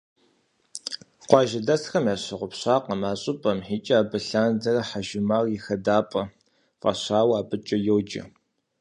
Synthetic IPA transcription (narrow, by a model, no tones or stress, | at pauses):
qʷɑːʒɪdɐsxɐmjaːɕɪʁʷʊpɕʷɑːqɐmaːɕʼɪpʼɐmħiːt͡ʃʼɐaːbɨɬaːndɐrɐħaʒɪmaːrjɪxɐdaːpʼɐ | fʼɐ̰ɕaːwaːpɨt͡ʃʼɐjɛwd͡ʒɪ̰